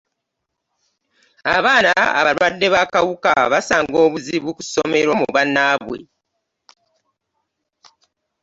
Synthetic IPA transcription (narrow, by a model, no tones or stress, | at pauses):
aβaːnaa̰βaɾwwadːe̞βakawuka̰βasaːŋɡo̞ːβuziβuku̥so̞me̞ɾo̞muβanːaβwe̞̰